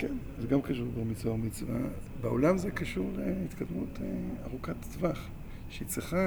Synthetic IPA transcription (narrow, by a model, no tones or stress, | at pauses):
kenzeɡamkaʃuʁbemit͡svaomit͡svabeolamzekaʃuʁlehit̪kad̪mutʰeaʁukat̪ːvaχ | ʃeit͡sʁiχa